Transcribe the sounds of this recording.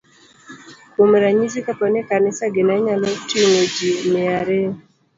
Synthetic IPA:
komɾaɲizikapɔnekanɪsaɡɪnaɲalɔtiŋod͡ʒimɪaɾɛ

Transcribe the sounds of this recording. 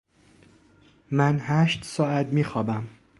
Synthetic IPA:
mænhæːʃt̪sɒːæt̪miːxɒːbæm

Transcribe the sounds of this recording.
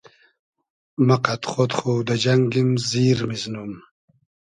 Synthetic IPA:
maqat̪χot̪χud̪əd͡ʒaŋɡimziːɾmiznum

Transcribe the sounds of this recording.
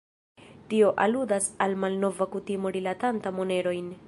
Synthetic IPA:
tio̞ʔa̰ludasalmalno̞vakutimo̞ɾilatantamo̞ne̞ɾo̞jn

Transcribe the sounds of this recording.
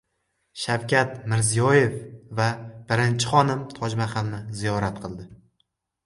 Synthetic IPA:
ʃawkʲʰat̪mɪɾzijɒje̞fvab̥ɪɾɪnt͡ʃʰɪχɒnɪmt̪ʰɒd͡ʒmaχamnɪzijɒɾat̪qʰɨlˠd̪ɪ

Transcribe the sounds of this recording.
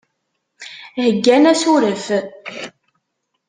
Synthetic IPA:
həɡːænæsuɾəf

